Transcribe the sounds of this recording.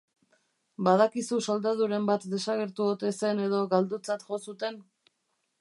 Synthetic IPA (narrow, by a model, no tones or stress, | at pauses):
baðakisuso̞ld̪aðuɾe̞mbat̪d̪e̞saɣe̞ɾt̪uot̪e̞se̞ne̞ðo̞ɣald̪ut͡sat̪ʝo̞sut̪e̞n